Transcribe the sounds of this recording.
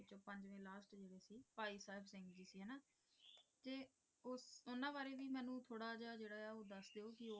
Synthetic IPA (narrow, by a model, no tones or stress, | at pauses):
ɪt͡ʃõːpəɲd͡ʒʋẽːlaːsʈd͡ʒeːɽeːsiːpaːiːsaːɪpʰsɪ̃ŋɡd͡ʒiːsiːɦɛːnaː | t̪eː | ʊsʊnãːbaːɾeːʋiːmɛːnũːt̪ʰoːɽaːd͡ʒaːd͡ʒeːɽaːaːoːd̪əsd̪eːoːkɪoː